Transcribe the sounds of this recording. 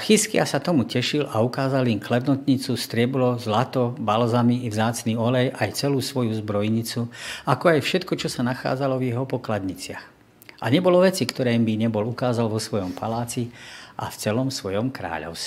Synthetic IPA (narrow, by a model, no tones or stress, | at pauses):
xiskɪasat̪ɔmucɛʃilaukaːzalimklɛd̪nɔt̪ɲit͡sust̪ɾɪɛblɔzlat̪ɔbalzamivzaːt͡sniːɔlɛjʔajt͡sɛluːsʋɔjuzbɾɔjɲit͡suakɔajfʃɛt̪kɔt͡ʃɔsanaxa̰ːd͡zalɔvjɛɦɔpɔklad̪ɲit͡sɪa̰x | ʔaɲɛbɔlɔʋɛt͡sikt̪ɔɾɛːmbiɲɛbɔlukaːzalʋɔsʋɔjɔmpalaːt͡siʔa̰ft͡sɛlɔmsʋɔjɔmkɾa̰ːʎɔ̰ʊsɛ